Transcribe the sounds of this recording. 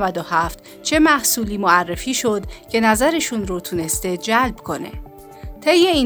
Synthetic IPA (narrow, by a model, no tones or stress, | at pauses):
væd̪ohæft̪ | t͡ʃʰe̞mæhsuːliːmoærːe̞fiːʃo̞d̪cʰe̞næzæɾe̞ʃunɾot̪ʰune̞st̪ed͡ʒælbkʰo̞nḛ | t̪ʰe̞jːein